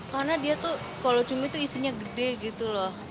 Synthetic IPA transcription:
karnadiat̪u | kalot͡ʃumit̪uisiɲaɡədɛɡit̪ulɔh

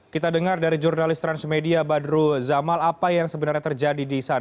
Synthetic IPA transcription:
kit̪adəŋardaɾid͡ʒurnalɪst̪ɾansmediabadɾuzamalapajaŋsəbənarɲat̪ərd͡ʒadidisana

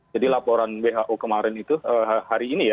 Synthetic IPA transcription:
d͡ʒadilapoɾanweɦaʔokəmaɾɛnit̪uəɦhaɾiːnija

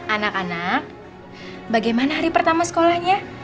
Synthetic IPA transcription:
anakanak̚ | baɡajmanaɦaɾipərt̪amasə̥kolahɲa

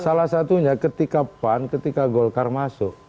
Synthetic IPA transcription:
salahsat̪uɲakət̪ikapankət̪ikaɡɔlkarmasʊʔ

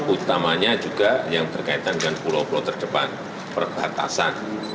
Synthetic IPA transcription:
ut̪amaɲad͡ʒuɡajaŋt̪ərkait̪andəŋanpuɾopulot̪ərd̥əpa̰n | pərb̥at̪a̰san

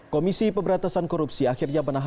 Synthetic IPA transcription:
komisipəmbəɾat̪asankɔɾup̚siaxirɲamərnaɦ

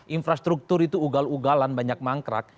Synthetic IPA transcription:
ʔinfɾast̪ɾuk̚t̪ʊɾit̪uuɡaluɡalanbaɲak̚maŋkɾa̰k̚

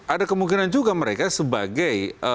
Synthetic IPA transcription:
ʔadakəmuŋkinand͡ʒuɡaməɾekasəba̰ɡajə

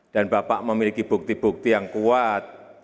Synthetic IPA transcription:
d̥anbapa̰ʔməmilikib̥ṳk̚t̪ib̥ṳk̚t̪ijaŋkuat̪̚

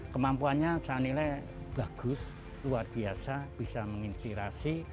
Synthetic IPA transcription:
kəmampuanɲasanilɛj | b̥a̤ɡ̥ʊs | luarb̥iasab̥i̤saməŋinspiɾasi

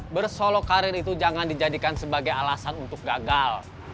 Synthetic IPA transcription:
bərsolokaɾɪnit̪ud͡ʒaŋandid͡ʒadikansəbaɡajalasanunt̪ʊk̚ɡaɡal

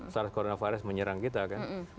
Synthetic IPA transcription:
saɾ̚koɾonafaɾəsməɲəɾaŋkit̪̬akan

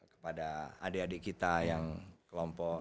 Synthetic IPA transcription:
kə̥padaa̰deadekit̪ajaŋkəlɔmpɔ

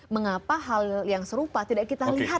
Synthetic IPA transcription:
məŋapaɦaljaŋsəɾupat̪idaʔkit̪aliɦa

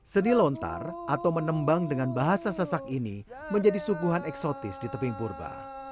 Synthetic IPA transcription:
sənilɔnt̪a̰rʔat̪awmənəmbaŋdəŋanbaɦasasasak̚inḭ | məɲd͡ʒadisuɡuɦanɛksot̪ɪsdit̪əpɪŋpurba̰

